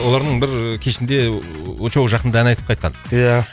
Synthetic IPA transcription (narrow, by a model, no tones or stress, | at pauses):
wo̞lˠɑɾd̪əɴbɪɾkʲʰeʃɪnd̪e̞wot͡ʃowʒɑqənd̪ɑænɑjt̪əpqʰɑjt̪qɑ̰nja